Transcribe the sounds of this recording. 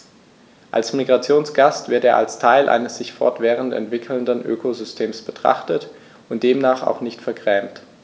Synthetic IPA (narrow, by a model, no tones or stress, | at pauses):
ʔa̰lsmiɡʁat͡sjoːnsɡ̥astv̥ɪɐteːɐʔalstʰaɪlʔa̰ɪnəsz̥ɪçfɔ̰ɐtv̥ɛːʁəntɛ̰ntv̥ɪkʰl̩ndənʔø̰ːkozʏstʰeːmsb̥ətʁ̥a̰χtət | ʊnt̚d̥eːmnaːχa̰ʊxnɪçtfɛɐɡʁɛːmt